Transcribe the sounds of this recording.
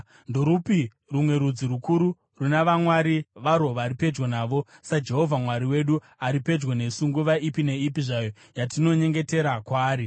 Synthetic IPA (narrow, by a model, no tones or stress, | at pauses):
ndo̞ɾupi | rumwe̞ɾud͡zirukuɾu | runaʋamwaɾiʋaɾo̞ʋaːɾipe̞d͡ʒɡonaːʋo̞sad͡ʒe̞ɦo̞vʱamwaɾiwe̞ɗu | aɾipe̞d͡ʒwone̞suŋɡuʋaʔipine̞ipiʐajo̞ | jatino̞ɲe̞ŋɡe̞te̞ɾakwaːɾi